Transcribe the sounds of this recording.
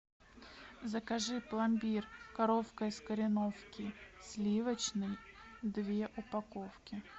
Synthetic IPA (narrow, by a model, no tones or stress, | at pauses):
zəkɐʐɨplˠɐmʲbʲirkɐɾofkəjskəɾʲɪno̞fkʲɪsʲlʲivət͡ɕnɨjd̪vʲe̞ʔʊpɐkofkʲɪ